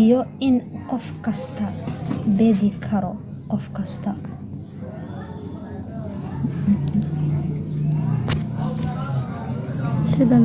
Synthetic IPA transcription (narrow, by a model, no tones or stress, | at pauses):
jɔɪnqɔfkʰɐst̪ʰɐbɛðɪkʰɐɾɔ | qɔfkʰɐst̪ʰɐ | sɪd̪ɐ